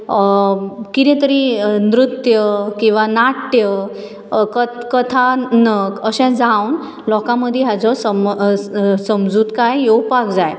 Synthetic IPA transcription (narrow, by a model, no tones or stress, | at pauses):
kit̪ɛ̃t̪əɾinɾut̪jəkĩw̃ʋanaʈjə | kəkət̪ʰanəkəɕɛ̃d͡zawn | lɔkãməd̪ʱːjeɦad͡zɔsəm | səmd͡zuːt̪kajjewpakd͡zaj